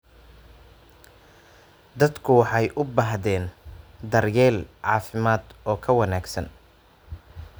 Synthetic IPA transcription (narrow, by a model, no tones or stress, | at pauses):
d̪ɐd̪kʰʊwɑħɑjʔʊbaːɦðɛːnd̪ɐrjɛːlʕɑːfɪmaːd̪ɔːkʰɐwɐnaːɡsɐ̰n